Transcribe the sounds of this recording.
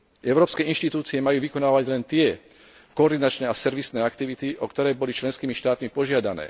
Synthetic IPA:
ɛʊɾɔːpskɛːinʃt̪it̪uːt͡siɛmajuːʋikɔnaːʋaɟlɛnt̪ɪɛ | kɔɔɾd̪inat͡ʃnɛːasɛɾʋisnɛːakt̪iʋit̪iʔɔkt̪ɔɾɛːbɔlit͡ʃlɛnskiːmiʃt̪aːt̪mipɔʒɪad̪anɛ̰ː

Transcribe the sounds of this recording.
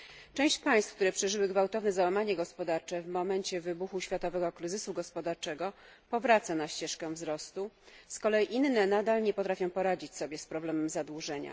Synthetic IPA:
t͡ʂɛ̃w̃ɕt͡ɕpaj̃st̪fk̚t̪uɾɛpʂɛʐɘwɘɡvawt̪ɔvnɛzawamaɲɛɡɔspɔd̪aɾt͡ʂɛvmɔmɛɲt͡ɕɛvɘbuxuɕfʲjat̪ɔvɛɡɔkɾɘzɘsuɡɔspɔd̪aɾt͡ʂɛɡɔpɔvɾat̪sanaɕt͡ɕɛʂkɛ̃vzɾɔst̪uskɔlɛjiʔinːɛnad̪alɲɛpɔt̪ɾafʲjɔ̃w̃pɔɾad͡ʑit͡ɕsɔbʲjɛspɾɔblɛmɛmzad̪wuʐɛɲa̰

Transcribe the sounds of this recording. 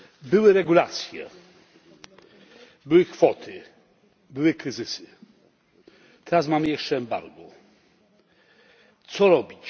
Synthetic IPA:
bɘwɘɾɛɡulat̪sʲjɛ̰ | bɘwɘkfɔt̪ʰɪ | bɘwɘkɾɘzɘsɘ | t̪ʰɛɾasmamɘjɛʂt͡ʂɛːmba̰ɾɡɔ | t̪sɔɾɔbʲit͡ɕ

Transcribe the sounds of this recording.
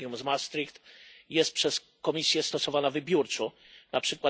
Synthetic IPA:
jumzmast̪ɾikt̪jɛst̪̚pʂɛs | kɔmʲisʲjɛst̪ɔsɔvanavɘbʲjuɾt͡ʂu | napʂɘkwa

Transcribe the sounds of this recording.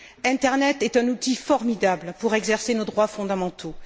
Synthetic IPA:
ɛ̃t̪ɛʁnɛt̪ɛt̪ɛ̃nut̪ifɔʁmid̪ablpuʁɛɡzɛʁsenod̪ʁwafɔ̃d̪amɑ̃t̪ʰo

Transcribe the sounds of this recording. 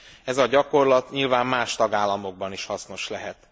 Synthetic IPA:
ɛzɒɟɒko̞rlɒt̪ɲilvaːmːaːʃt̪ɒɡaːlːɒmo̞ɡ̚bɒniʃhɒsno̞ʃlɛɦɛt̪

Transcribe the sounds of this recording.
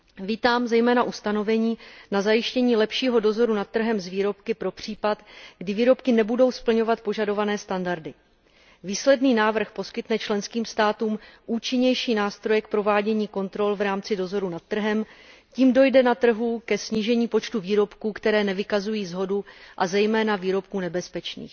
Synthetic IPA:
viːt̪aːmzɛjmɛːnaʔust̪ano̞vɛɲiːnazajɪʃcɛɲiːlɛpʃiːɦo̞do̞zo̞ɾunat̪̚t̪ːr̩ɦɛmzviːɾo̞p̚kɪpɾo̞pr̝̥iːpat̪ɡdɪviːɾo̞pkɪnɛbudo̞wspl̩ɲo̞vat̪̚po̞ʒado̞vanɛːst̪andaɾdɪ | viːslɛdniːnaːvr̩xpo̞skɪt̪nɛt͡ʃlɛnskiːmst̪aːt̪uːmʔuːt͡ʃɪɲɛjʃiːnaːst̪ɾo̞jɛk̚pɾo̞vaːɟɛɲiːko̞nt̪ɾo̞lvɾaːmt͡sɪdo̞zo̞ɾunat̪̚t̪r̩ɦɛmciːmdo̞jdɛnat̪r̩ɦukɛsɲiːʒɛɲiːpo̞t͡ʃt̪uviːɾo̞pkuːkt̪ɛɾɛːnɛvɪkazujiːzɦo̞duʔazɛjmɛːnaviːɾo̞p̚kuːnɛbɛspɛt͡ʃnḭːx

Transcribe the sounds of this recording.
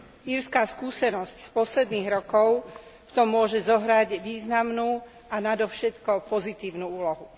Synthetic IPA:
iɾskaːskuːsɛnɔscspɔslɛd̪niːɣɾɔkɔʊ | ft̪ɔmːʊɔʒɛzɔɦɾaɟʋiːznamnuː | ʔanad̪ɔfʃɛt̪kɔpɔzit̪iːʊnuːuːlɔɦu

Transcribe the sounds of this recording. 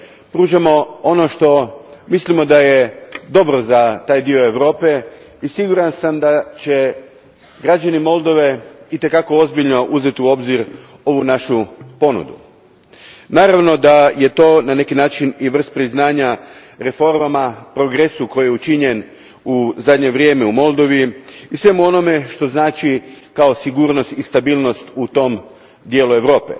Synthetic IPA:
pɾuːʒamo̞o̞no̞ʃt̪o̞mislimo̞d̪aje̞d̪o̞bɾo̞zat̪aːjd̪io̞e̞ʋɾo̞ːpe̞ | isiɡuɾansamd̪at͡ɕe | ɡɾad͡ʑanimo̞lˠd̪o̞ʋe̞it̪e̞kako̞o̞zbiʎno̞ʔuze̞t̪iuo̞bziɾ | o̞ʋunaʃupo̞nṵd̪ṵ | naːɾaʋno̞d̪aje̞t̪o̞ːnane̞kinaːt͡ʃiniʋr̩st̪̚pɾiznaːɲa | ɾe̞fo̞ɾmamapɾo̞ɡɾesuko̞jijeut͡ʃiɲe̞n | uzad̪ɲe̞ʋɾjeːmeumo̞lˠd̪o̞ʋiisʋe̞muo̞no̞me̞ʃt̪o̞znaːt͡ʃikao̞siɡuːɾno̞st̪ist̪abiːlˠno̞st̪ut̪o̞m | d̪je̞ːlue̞ʋɾo̞ːpe̞̰

